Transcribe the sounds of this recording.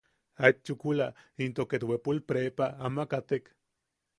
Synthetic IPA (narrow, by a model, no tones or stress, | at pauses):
at͡ʃːukulaint̪oket̪wepulpɾepaamakat̪ek